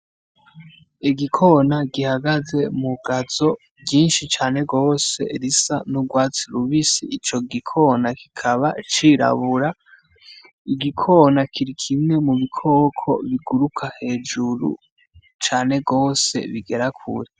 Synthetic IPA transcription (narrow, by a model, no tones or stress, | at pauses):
iɡikʰo̞naɡihaɡaze̞muɡazo̞ | ɟjiːnʃit͡ʃaːne̞ɡo̞ːse̞ɾisa̰nuɡwaːt͡siɾuβisḭːt͡ʃo̞ɡikʰo̞naki̥kʰaβat͡ʃiɾa̰βuɾa | iɡikʰo̞nakiɾikʰimŋe̞muβikʰo̞ːkʰo̞̰βiɡuɾukʰahe̞ːd͡ʒuɾṵ | t͡ʃaːne̞ɡo̞ːse̞̰βiɡe̞ɾakʰṵɾe